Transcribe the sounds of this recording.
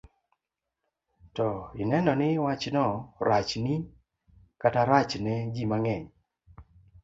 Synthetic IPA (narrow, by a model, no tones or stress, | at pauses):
tɔɪnɛnɔnɪwat͡ʃnɔɾat͡ʃni | kataɾat͡ʃnɛd͡ʒimaŋɛɲ